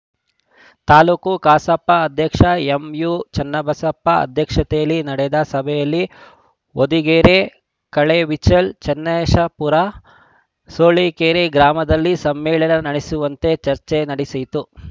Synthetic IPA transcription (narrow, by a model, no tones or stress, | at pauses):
t̪aːluːkukaːsɐpːɐɐd̪ʱjɐkʂɐemjut͡ʃɐnːɐbɐsɐpːɐɐ̰d̪ʱjɐkʂɐt̪ejɐlːinɐɽɛd̪ɐsɐbʱɛjɐlːi | od̪iɡeːɾe | kɐɭeʋit͡ʃɐlt͡ʃɐnːɛʃɐpuɾa | soːɭikeːɾeɡɾaːmɐd̪ɐlːisɐmːɛːɭɐnɐnɐɽesuʋɐnt̪e̞t͡ʃɐɾt͡ʃenɐɽisɐjt̪u